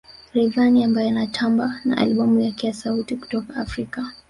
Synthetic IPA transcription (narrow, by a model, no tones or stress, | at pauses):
ɾɛvaniambajɔanatʰambana̰ʔa̰lɓɔmujakɛjasautiku̥tɔkaafɾika